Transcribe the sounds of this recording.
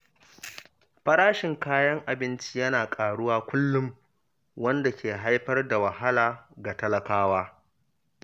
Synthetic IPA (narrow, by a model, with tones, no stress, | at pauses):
ɸɐ˦ɾaː˦ʃɪ˨ŋkaː˦jɐ˦ŋʔa˨bɪ˦nt͡ʃi˦jɐ˦naː˨kʼaː˨ɽʊ˦waː˦kʷʊ˦lːʊ˦m | wɐ˦nda˨kʲʰeː˨ɦa˦jɸɐ˦rda˨wɐ˨ɦa˦laː˨ɡa˨tɐ˦lɐ˨kaː˦waː˦